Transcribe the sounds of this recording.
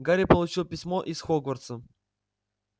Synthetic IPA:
ɡaɾʲɪpəlˠʊt͡ɕilˠpʲɪsʲmoʔisxoɡvərt̪sə

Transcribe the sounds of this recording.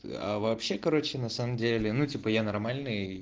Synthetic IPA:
ɐ̰vɐːpɕːe̞kɐɾo̞t͡ɕɪnɐsaməmdʲelʲɪnutʲipəjanɐrmalʲnɨj

